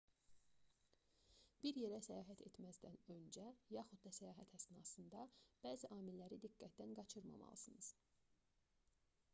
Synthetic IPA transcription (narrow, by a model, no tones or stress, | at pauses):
b̥iɾje̞ɾæsæjɑːɦæt̪ʰe̞̰t̪mæzd̪ænø̞nd͡ʒæjɑxud̪̚d̪ɑsæjɑːɦæt̪hæsnɑsɯnd̪ɑb̥æːziʔɑːmilːæɾid̪iɡ̥ːæt̪̚d̪ænɡɑt͡ʃʰɯɾmɑ̰mɑ̰lˠɯsɯnɯz̥